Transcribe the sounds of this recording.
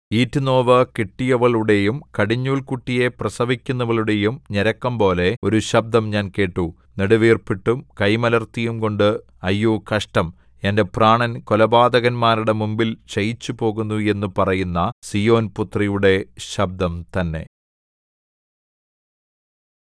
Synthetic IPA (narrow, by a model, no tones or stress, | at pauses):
iːtːuno̞ːʋɐkiʈːijɐʋɐɭuɽe̞jumkɐɽiɲːuːɭkuʈːije̞prɐsɐʋikʲːunːɐʋɐɭuɽe̞jumɲeɾɐkːɐmpo̞ːle̞o̞ɾuɕɐb̚d̪ɐmɲaːnke̞ːʈːu | neɽuʋiːrpiʈːumkɐjmɐlɐrt̪ijumko̞ɳɖɨ | ɐjːuːkɐʂʈɐm | ende̞praːɳɐnkolɐbaːd̪ɐɣɐnmaːɾuɽe̞mumbilt͡ɕɐjit͡ɕːupo̞ːɣunːue̞nːupɐrɐjunːɐsijo̞ːnput̪rijuɽe̞ɕɐb̚d̪ɐmt̪ɐnːe̞̰